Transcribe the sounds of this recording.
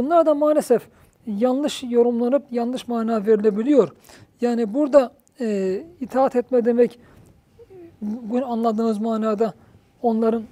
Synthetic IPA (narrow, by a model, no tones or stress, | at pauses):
bunlˠaɾd̪amaːlʲesɛf | janˠlˠɯʃjo̞ɾumlˠanɯpjallːˠɯʃmaːnaːveɾilʲebilʲijo̞ɾ | jaːnibuɾd̪a | it̪ʰaːat̪ʰɛt̪mɛd̪e̞mɛc | ɡnanlˠad̪ɯːnɯzmaːnaːd̪a | o̞nlˠaɾɯn